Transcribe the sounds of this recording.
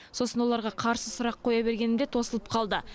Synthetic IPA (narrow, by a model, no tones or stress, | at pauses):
so̞sənwo̞lˠɑɾʁɑqʰɑɾsəsʊɾɑqʰːo̞jɑbe̞ɾɡʲe̞nɪmd̪e̞t̪ʰo̞səlˠəp̚qʰɑlˠd̪ə